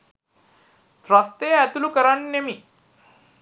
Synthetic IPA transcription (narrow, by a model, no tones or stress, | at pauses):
t̪ɾast̪eæt̪ulukəɾannemi